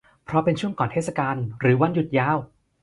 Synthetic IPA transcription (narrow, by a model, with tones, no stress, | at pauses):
pʰɾɔ˧˦˥pe˧nt͡ɕʰu˥˩əŋkɔː˨˩nʰeː˥˩t̪̚sa˧kaː˧nɾɯː˩˦wa˧˥nju˦t̪̚jaː˧˥˩w